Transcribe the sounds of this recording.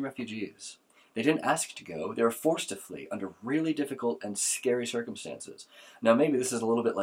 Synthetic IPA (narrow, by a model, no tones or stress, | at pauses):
ɹɛfjʉd͡ʒiz̥ | ðeɪɾɪdⁿn̩tæsk̚tʰɨɡoʊðeɪə˞fɔɹstʰɨflḭʔʌ̃ndə˞ɹɪlˠidɪfɨkl̩ˠtɨ̃nskɛɹisɜ˞km̩stæ̰̃nsɪ̰z̥naʊmeɪbiðɪsɨzəlɪɾl̩ˠbɪʔlʔa